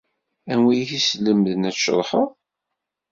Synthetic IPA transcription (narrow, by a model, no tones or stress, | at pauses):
ænwijθisləmðənæt͡sʃə̰ðˤħəðˤ